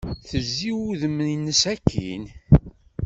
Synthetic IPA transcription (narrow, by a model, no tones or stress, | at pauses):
θəzːiwuðəmninːəsækːḭn